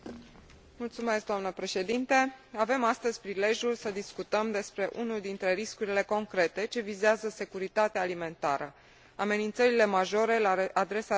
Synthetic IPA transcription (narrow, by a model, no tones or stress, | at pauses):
mult̪sume̞sk̚d̪oamnəpɾe̞ʃe̞d̪int̪eave̞mast̪əzʲpɾile̞ʒjulsəd̪iskut̪əmd̪e̞spɾe̞ʔunuld̪int̪ɾe̞ɾiskuɾile̞ko̞ŋkɾe̞t̪e̞t͡ʃe̞vizeazəse̞kuɾit̪at̪eaːlime̞nt̪aɾə̰ | ame̞nint̪səɾile̞maʒo̞ɾe̞laad̪ɾe̞sa